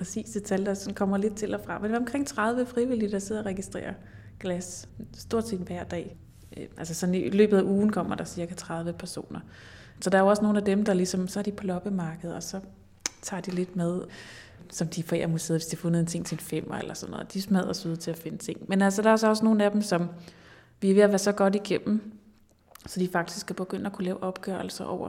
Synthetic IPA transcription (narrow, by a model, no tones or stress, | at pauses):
pʰɛsḭːsd̥e̝t͡sʰæljd̥ɑsɒ̽nkʰɒ̽m̰ɐle̝d̥̚t͡sʰe̝lɒfʁɑ̈menɒ̽mkʰʁeŋ̰t͡sʰʁð̞ˠʋəfʁiʋilid̥ɑ̈se̝ð̰ˠɐʁɛɡ̥isd̥ʁḛːɐ | ɡ̥læssd̥o̝ɐ̰dsḛːd̥ʋæɐ̰d̥ɛ̰ː | ʔælsəsɒ̽nilø̰ːb̥ð̩ˠæʔuːn̩kʰɒ̽m̰ɐd̥ɑ̈siɐɡ̥æt͡sʰʁɑ̈ð̞ˠʋəpʰæɐso̝̰ːnɐ | sɒ̽d̥ɑ̈æɐjoɒ̽sno̝ːn̩æd̥emd̥ɑ̈lisɒ̽msɒ̽æɐd̥ipʰɒlɒ̽b̥əmɑ̈ːɡ̥əð̞̩ˠɒ̽sɒ̽ | t͡sʰɑ̈ːd̥ile̝d̥meðˠ | sɒ̽md̥ifḛːɐmuseðˠʋesd̥iɐfnð̩ˠent͡sʰe̝ŋ̰t͡sʰe̝enfem̰ɐḛlɐsɒ̽nːɔ̽ːð̩̰ˠd̥ismæð̞̰ˠɐsuð̞̰ˠt͡sʰe̝læfe̝nət͡sʰe̝ŋ̰menælsɐd̥ɑ̈ɒsɒ̽sno̝ːn̩æd̥em̩sɒ̽m | ʋiʋe̝ɐʋæɐsɒ̽ɡ̥ɒ̽d̥iɡ̥em̰m̩ | sɒ̽d̥ifɑ̈ɡ̥d̥i̥sɡ̥ʰæb̥e̝ɡ̥øn̰əækʰulɛːʊʔɒ̽b̥ɡ̥œɐl̩sɐʔɒ̰ʊ̰ɐ